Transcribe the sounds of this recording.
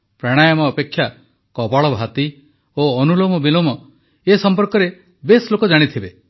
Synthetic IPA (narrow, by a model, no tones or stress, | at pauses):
pɾaɽ̃ajɔmɔːpekʰːja | kɔbɔɭɔbʱat̪i | oɔnulomɔbilomɔ | esɔmpɔɾkɔɾe | beslokod͡ʒaɽ̃it̪ʰibe